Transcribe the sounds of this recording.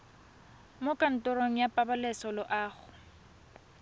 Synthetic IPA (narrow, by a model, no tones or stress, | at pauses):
mokʼan̩tʼʊɾoŋ̩japʼabalɛsɔlɔʔaːɣʊ